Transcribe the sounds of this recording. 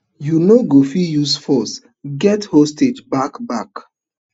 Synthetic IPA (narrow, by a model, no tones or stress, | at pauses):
junoɡofijusfɔs | ɡɛthosted͡ʒbakbak